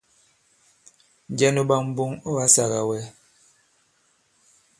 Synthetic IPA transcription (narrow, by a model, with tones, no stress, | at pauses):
n˨d͡ʒɛ˦no˦ba˦m̩˦bu˦ŋo˦ba˦sa˨ɣa˨wɛ˦